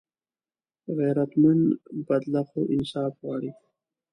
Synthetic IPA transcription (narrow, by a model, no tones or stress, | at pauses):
ɣeːɾɐt̪mɐnbɐd̪laxoʔɪnsɑːfwɑːɽi